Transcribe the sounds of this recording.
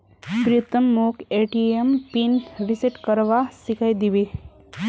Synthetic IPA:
pɾit̪əmːokeʈiempinʋisiʈkəɾʋasikʰajd̪iʋi

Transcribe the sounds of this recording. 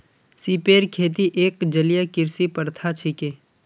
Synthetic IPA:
siːpeːɾkʰeːt̪̬iʔeːkd͡ʒəlijakɪɾsipəɾt̪ʰat͡ʃʰikeː

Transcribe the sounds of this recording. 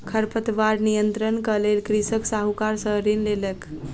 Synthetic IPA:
kʰəɾpət̪ʋaɾnijənt̪ɾənkəlelkɾisəksaɦukaɾsəɦɾinlelək

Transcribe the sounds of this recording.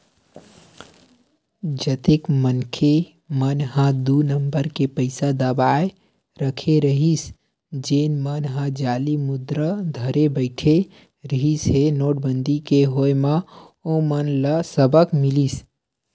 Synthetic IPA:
d͡ʒət̪ekmənkʰe | mənɦãd̪unəmbəɾkepəɪsad̪əbae | ɾəkʰeɾəɦis | d͡ʒenmənɦãd͡ʒalimud̪ɾəd̪ʱəɾebəɪʈʰe | ɾəɦisɦenoːʈ̚bənd̪ʱikeɦojma | omənləsəbəkmilis

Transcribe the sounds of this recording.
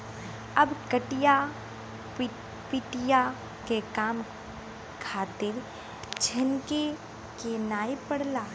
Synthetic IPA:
ɐbkəʈɪja | pɪʈɪja | kekaːm | kʰaːt̪ɪɾ | t͡ʃʰɐnke | kenaːepəɽlaː

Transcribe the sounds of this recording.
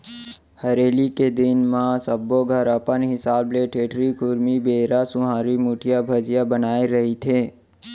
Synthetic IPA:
həɾeːliked̪ɪnmãsəbːoɡʱəɾəpənɦɪsaːbleʈʰeːʈɾikʊɾmibeːɾasʊ̃ɦãːɾimuʈʰijabʱəd͡ʒijabənaːeɾəɦit̪ʰeː

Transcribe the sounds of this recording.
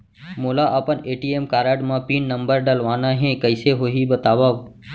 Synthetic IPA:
moːlaːʔəpəneːʈiːeːmkaːɾaːɖmãːpiːnːəmbəɾɖəlʋaːnãːɦẽkəɪseɦoːɦiːbət̪aːʋaːʋ

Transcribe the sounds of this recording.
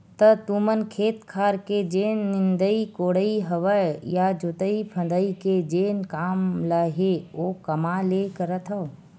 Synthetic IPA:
t̪ət̪umənkʰeːt̪kʰaːɾked͡ʒeːnːɪnd̪əikoːɽəiɦɐʋəjjad͡ʒot̪əipʰə̃nd̪əiked͡ʒeːnkaːmləɦeoːkɐmalekəɾət̪ʰɦəo

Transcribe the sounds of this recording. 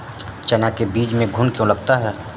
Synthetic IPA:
t͡ʃɐnakebiːd͡ʒmẽɡʱʊnkjõlɐɡt̪aɦɛː

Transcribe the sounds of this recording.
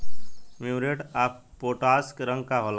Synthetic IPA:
mimɾeʈaːp̚ | poːʈaːskɾə̃ŋɡkaɦola

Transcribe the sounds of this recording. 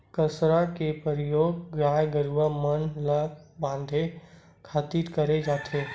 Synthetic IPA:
kəsɾakepəɾijoːɡɡɾaːjɡəɾuʋamənlabãːnd̪ʱe | kʰaːt̪iːɾkəɾed͡ʒaːt̪ʰeː

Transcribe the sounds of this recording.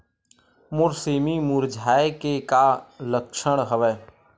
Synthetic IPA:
mʊɾsimimʊɾd͡ʒʱaːekekaləkʃəɽ̃ɦəʋɛː

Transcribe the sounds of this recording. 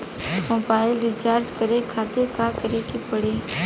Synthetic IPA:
moːbaːɪlɾɪt͡ʃaːɾd͡ʒkəɾekʰaːt̪ekaːkəɾekepəɽeː

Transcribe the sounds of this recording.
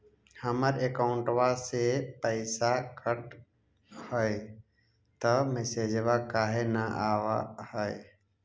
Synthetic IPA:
həməɾekaʊɳʈʋasepəɪsakʰəʈ | həe | t̪əmesed͡ʒʋakaːɦenəʔaːʋa̰həe

